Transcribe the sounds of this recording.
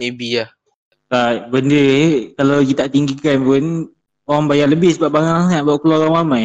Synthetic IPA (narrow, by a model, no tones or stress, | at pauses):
mebiah | tabəndəkalawɡit̪aʔt̪iŋɡikanpʊn | oɾaŋbajaʔləbɪhsəbap̚baŋaaŋat̪̚baʔkəlɔɾaŋamaj